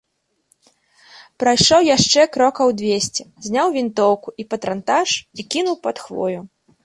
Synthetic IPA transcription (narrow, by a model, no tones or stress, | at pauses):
pɾajʂɔwjaʂt͡ʂɛkɾɔkɐwd̪vʲesʲt͡sʲɛzʲnʲawvʲint̪ɔwkuʔipɐt̪ɾant̪aʂikʲinuwpɐt̪xvɔ̰jʲu